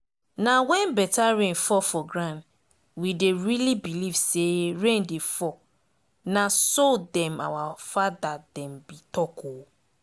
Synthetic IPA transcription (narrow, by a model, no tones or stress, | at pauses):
nawɛ̃nbɛtaɹẽnfɔfɔɡɹãn | wideɹilibilivseɹẽndefɔ | nasodɛ̃ma̰wafadadɛ̃mbitɔkʰo